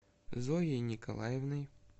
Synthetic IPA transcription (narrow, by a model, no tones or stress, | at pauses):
zojejnʲɪkɐ̰lˠa̰jɪvnɨj